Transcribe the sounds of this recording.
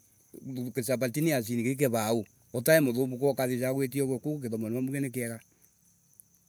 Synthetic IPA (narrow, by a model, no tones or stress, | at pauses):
kesapatinias̬inikeik̬ɛβau | ɔtaemoðomukɔkaðis̬aɣwet̬iɔɣwɛkukok̬eðɔmɔneamuɣɛnɛkeɛɣa